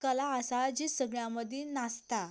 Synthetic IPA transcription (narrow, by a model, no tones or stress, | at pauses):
kəlaəsad͡ʑisəɡɭjãməd̪ʱinast̪a